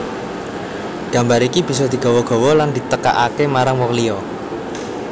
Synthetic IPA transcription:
ɡ̥ä̤mbaɾikib̥i̤s̬ɔd̪̥i̤ɡ̥a̤wɔɡ̥ɔ̤wɔland̪̥i̤t̪əka̰ʔakemaɾaŋwɔkliɔ

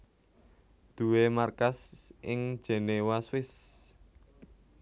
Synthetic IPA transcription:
d̪̥ṳwemarkasʔɪŋ̥d͡ʒ̥ɛ̤newaswɪs

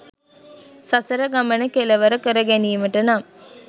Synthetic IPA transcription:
sɐsɐɾɐɡɐmɐnɐkelɐʋɐɾɐkəɾɐɡenijɐməʈɐnaːm

